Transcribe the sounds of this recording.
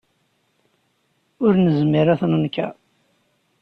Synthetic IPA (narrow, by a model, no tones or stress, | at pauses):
ʊɾnəzmiɾaθnənkæ̰